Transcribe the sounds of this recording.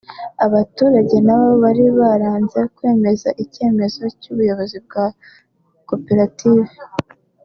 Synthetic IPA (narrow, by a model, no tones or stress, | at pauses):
aβatuːɾaɟe̞naβoβaɾiβaɾaːnze̞kwe̞ːme̞zaʔice̞ːme̞zo̞cuβujaβo̞zib̚ɡa | ko̞peɾatiːve